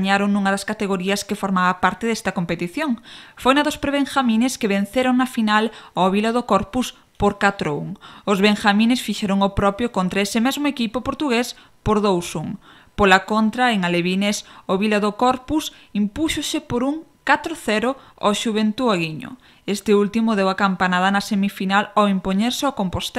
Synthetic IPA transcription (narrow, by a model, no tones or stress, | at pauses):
ɲaɾoŋnũŋɐðɐskat̪eɣoɾiɐskefoɾmaβɐpaɾt̪eðɛst̪ɐkompet̪iθjoŋfojnɐðospɾeβeŋxamĩneskeβen̟θeɾoŋnɐfinaloβilɐðokɔɾpus | poɾkat̪ɾoṵŋʊzβeŋʃamĩnesfiʃɛɾoŋopɾɔpjokont̪ɾaesɪmezmoekipopoɾt̪uɣes | poɾðowsuŋ | polakont̪ɾaeŋaleβinesoβilaðokɔɾpus | impuʃosɪpoɾuŋkat̪ɾoθɛɾʊ | ɔʃuβ̞ent̪uaɣiɲo̰ | est̪ɪult̪imʊðewakampanaðɐnɐsemifinaloimpoɲeɾsɪokompost̪e